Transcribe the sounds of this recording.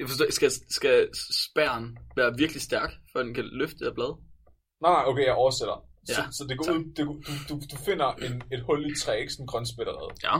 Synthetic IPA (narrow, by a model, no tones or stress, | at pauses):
jɑfɒstɔ̰ːsɡ̥æsɡ̥æsb̥æɐ̰nʋæːɐʋiɐɡ̥lisd̥æɐɡ̥fɶ̰ɐd̥enkʰæløfd̥e̥æɐb̥lɛːð̞ˠ | nɑ̈ɪnɑ̈ɪokʰejɑ̈ɪʔɒʊɐseɾ̥ɐsjæɒsɒ̽d̥e̝ɡ̥ɒuð̰ˠd̥e̝d̥ud̥ud̥ufe̝n̰ɐʔe̝ne̝d̥hɔ̽ldi̥t͡sʰʁɛ̰ːeɡ̥sɔnɡ̥ʁɶnsb̥eɾ̥ɐʁɛ̰ð̩ˠjæ